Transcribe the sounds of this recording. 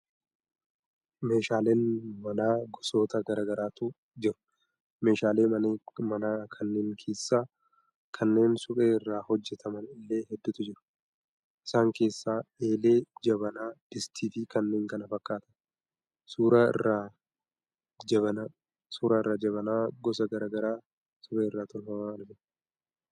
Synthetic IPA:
me̞ːʃaːleːnmɐnaːɡɔso̞ːt̪ɐɡɐɾaːɡɐɾaːt̪ʊ | d͡ʒɪɾʊ̥ | me̞ːʃaːle̞ːmɐnːmɐnaːkʰɐnːeːŋkʰe̞ːsːaː | kʰɐnːe̞ːnsʊkʼe̞ːɪrːaːhɔd͡ʒːɛt̪ʰɐmɐnɪlːe̞ːhɛd̪ːʊt̪ʊd͡ʒɪɾʊ̥ | ɪ̥saːŋke̞ːsːaːeːleːd͡ʒɐβɐnaːd̥ɪst̪ʰiːfɪkɐnːe̞ːŋkɐnɐfɐkːaːt̪ɐ̥n | suːɾaɪ̰rːaː | d͡ʒɐbɐna | suːɾaːɪrːaːd͡ʒɐβɐnaːɡɔsɐɡɐɾaːɡɐɾaː | sʊbeːɪrːaːt̪ʊnhɐmɐɐlɪmɪn

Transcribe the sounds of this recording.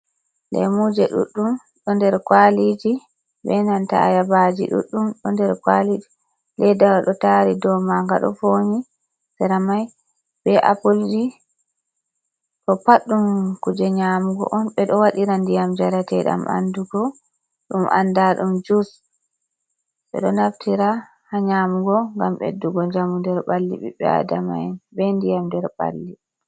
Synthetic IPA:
lɛ̰mud͡ʒɛɗṵɗːum | ɗɔndɛɾkwalid͡ʒi | bɛnanta̰a̰jabad͡ʒḭɗṵɗːumɗɔndɛɾkwalid͡ʒi | lɛjdawaɗɔtaɾidɔmaŋɡa̰ɗɔ̰foɲi | sɛɾamaj | bɛʔa̰puld͡ʒi | kɔpaɗːumkud͡ʒɛɲamuɡɔ̰ʔɔnɓɛɗɔwaɗiɾandijamd͡ʒaɾatɛɗa̰mʔa̰nduɡɔ | ɗumʔa̰ndaɗumd͡ʒus | ɓɛ̰ɗɔnaftʰiɾa | haɲaːmuɡɔŋɡamɓḛdːuɡɔɲd͡ʒamundɛɾɓalːḭɓɛ̰ɓɛ̰a̰dama̰jnbɛndijamdɛɾɓa̰lːi

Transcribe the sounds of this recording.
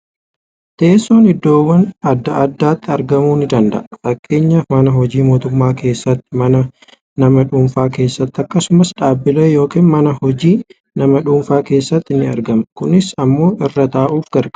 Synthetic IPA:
t̪eːsːoːnɪd̪ːo̞ːwːɐnɐd̪ːɐʔɐd̪ːaːt̪ːɪɐɾɡɐmuːnɪd̪ɐnd̪ɐ̰ʔɐfɐkʼːe̞ːɲːɐmɐnɐɦɔd͡ʒiːmo̞ːt̪ʊmːaːkʰe̞ːsːɐt̪ːɪmɐnɐ | nɐmɐᶑuːmfaːke̞ːsːɐt̪ːɐkːɐsʊmɐsᶑaːbɪlɐjjo̞ːkiːnmɐnɐhɔd͡ʒiː | nɐmɐᶑuːɱfaːke̞ːsːɐt̪ːɪnɪɐɾɡɐmkʊnɪsɐmːo̞ːʔɪrːɐt̪aːʔuːfɡɐɾkʼ

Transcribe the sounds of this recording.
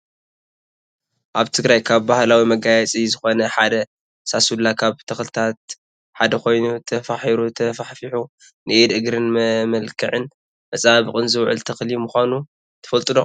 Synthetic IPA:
ʔaβt̪ʰɨɡɾajkʰaβbahlawimɐɡajɛt͡sʼizɨxo̞nɐħad̪ɐ | sasulːakʰaβt̪ʰɐxlɨt̪ʰat̪ | ħad̪ɐko̞jnut̪ʰɐfaħiɾut̪ʰɐfaħfiħu | nɨʔed̪ʔɨɡɾɨnmɐmɐlkʰɨʕɨn | mɐsʼaβɨχʼɨnzɨwʕɨ̰lt̪ʰɐxlimuxʷanu | t̪ʰɐ̥fɐlt̪ʼɨd̪o

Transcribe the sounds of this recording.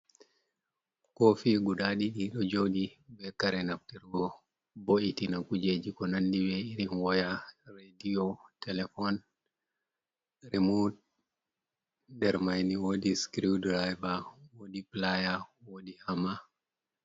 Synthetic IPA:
kɔfiɡuɗaɗiɗiɗɔd͡ʒoɗibɛkaɾɛnaftɛɾɡɔ | boʔitinakud͡ʒed͡ʒikɔnanːdiwɛiɾinwɔjarediɔtɛlɛfɔn | ɾimud | ndɛɾmajniwodiskɾiwdɾajbawodiplajawoɗihama

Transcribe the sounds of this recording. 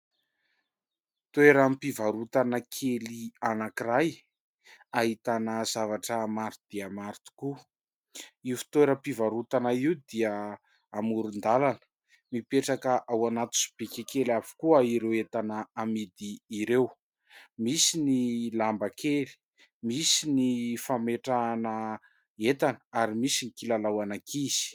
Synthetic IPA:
t̪eɾampivaɾut̪anəkʰelianakiɾaj | aɦit̪anəzavaʈ͡ʂəmaɾt̪ud̪̥iamaɾt̪u̥ku | iufi̥t̪weɾəpivaɾut̪anaiwd̪iə | amuɾund̪alanə̥ | mipeʈ͡ʂakəʔawanat̪u̥si̥b̥ekʲekelavu̥kuəiɾewet̪anəamid̪iːɾew | misinilambakʰeli̥ | misinifameʈ͡ʂanə | et̪anəaɾimisinikilalawanakiz̥i̥

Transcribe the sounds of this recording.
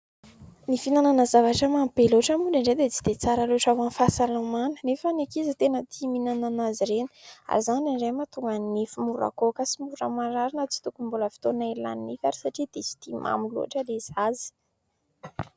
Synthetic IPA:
nifinananəzavaʈ͡ʂəmampeloʈ͡ʂəmuɳɖ͡ʐaɳɖ͡ʐed̪et͡si̥d̪̥et͡saɾəloʈ͡ʂawanfasalamanə̥nefanekizət̪enət̪ʰiminananaziɾeni̥a̰ɾizanaɳɖ͡ʐemat̪uŋɡanifimuɾa̰kokəsimuɾə̰maɾaɾinət͡si̥t̪ukumbuləfi̥t̪onaila̰ninifaɾisaʈ͡ʂid̪̥esi̥t̪ima̰milṵa̰ʈ͡ʂəlezazi̥

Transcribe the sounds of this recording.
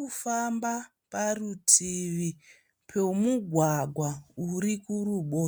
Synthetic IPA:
ufamba | parutʰiʋi | pʰemuɡʱwaɡʱwauɾikuruɓo̞ː

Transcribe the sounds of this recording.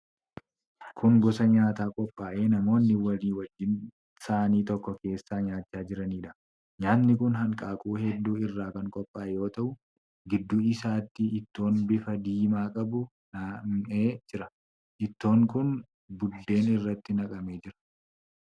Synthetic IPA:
kʰʊŋɡɔsɐɲaːt̪aːkʼɔpʼːaːʔeːnɐmo̞ːnːɪwɐliːwɐd͡ʒːɪn | saːniːt̪ɔkːɔke̞ːsːaːɲaːt͡ʃːaːd͡ʒɪɾɐniːᶑɐ | ɲaːnːɪkʊnɦɐŋkʼaːkʼuːhɛd̪ːuːɪrːaːkɐŋkʼɔpʼːaːʔɛjo̞ːt̪ɐʔʊ | ɡɪd̪ːuːɪsaːt̪ːɪɪt̪ːo̞ːnbɪfɐd̪iːmaːkʼɐbʊ | naeːd͡ʒɪɾɐ | ʔɪt̪ːo̞ːŋkʊn | bʊd̪ːe̞ːnɪrːɐt̪ːɪnɐkʼɐmeːd͡ʒɪɾɐ̥

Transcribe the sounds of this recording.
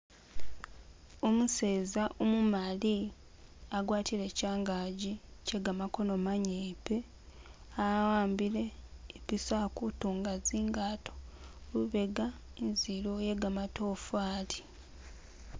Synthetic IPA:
omuse̞ːzaʔomumali | aɡwaːtile̞caːŋɡaːɟiceɡamako̞no̞maɲeːpe̞ | awaːmbile̞ːpisakutuːŋɡaziːŋɡaːtʰo̥luβe̞ɡaenzilojeɡamatoːfaːti̥

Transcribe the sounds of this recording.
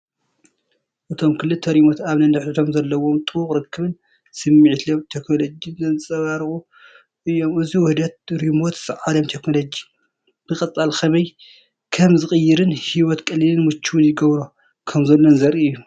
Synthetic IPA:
ʔɨt̪ʰo̞mkʰɨlːɨt̪ʰːɐɾimot̪aβnɐnɨħit̪ʰo̞mzɐlːɐwo̞mt̪ʼɨwuχʼɾɨkʰːɨβɨn | sɨmːiʕt̪ʰomt̪ʰeknolod͡ʒinzɐnɨsʼɐβaɾχʼu | ʔɨjːo̞mɨziwʊhd̪ɐt̪̚ɾimot̪z̥ɨʕad̪ɐmt̪ʰe̞kno̞lod͡ʒi | b̥ɨkʼɐt͡sʼalkʰɐmɐj | kʰɐmzɨxʼɨjːɪɾɨnhiwɔt̪kʼɐlːilɨnmɨt͡ʃʰːuwnjɪɡɐβɾo | kʰɐmzɐlːonzɐɾiɨjːu

